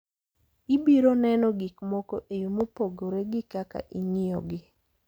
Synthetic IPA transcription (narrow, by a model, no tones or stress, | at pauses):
ibiɾonɛnɔɡikmɔkɔʔejomopoɡoɾeɡɪkaka̰ʔiŋɪjɔɡɪ